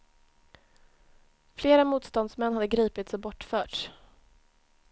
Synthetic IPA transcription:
fleːɾamuːt̪st̪ɔnd̪smɛnːhad̪ːəɡɾiːpɪt̪sɔbɔʈːfœːʈʂ

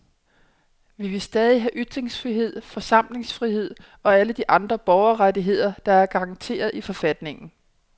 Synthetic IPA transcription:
ʋiʋe̝sd̥ɛːð̞ˠiɦæʔyd̥ʁeŋsfʁiɦe̝ð̰ˠfɒ̽sɑ̈m̰le̝ŋsfʁihe̝ð̰ˠ | ɒ̽æləd̥iʔɑ̈nd̥ʁɐb̥ɒʊɐʁadiɦe̝ð̞̰ˠɐd̥ɑ̈æɐɡ̥ɑ̈ːŋt͡sʰe̝̰ːɐð̞̩ˠifɒ̽fæd̥ne̝ŋn̩

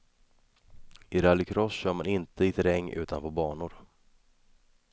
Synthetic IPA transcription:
ʔɪɾalːɪkʰɾɔsɕœːɾmanɪnt̪ʰəɪt̪ʰɾɛŋːʔʉ̟ːt̪anpɔbɑːɳʊɾ

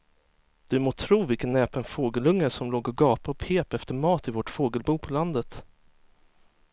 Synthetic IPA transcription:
d̪̥ɵmoːt̪ʰɾuːvɪlkənːɛːpənfoːɡəlɵŋːəʂɔmloːɡɔɡɑːpaɔpʰeːpɛft̪əɾmɑːt̪ɪvɔʈfoːɡəlbuːpʰɔland̪ət̪

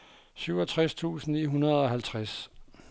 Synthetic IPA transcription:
syʊɒ̽t͡sʰʁast͡sʰṵːsn̩ḭːɦunɐð̞ˠɒ̽hælt͡sʰʁas

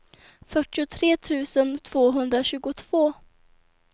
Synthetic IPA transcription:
fœʈːɪʊt̪ʰɾeːt̪ʰʉ̟ːsənt̪ʰv̥oːɦɵnd̪ɾaɕʉ̟ːɡʊt̪ʰv̥oː

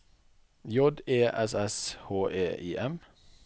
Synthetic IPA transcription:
jɔd̪eːʔɛsɛshoːʔeːiːʔɛm

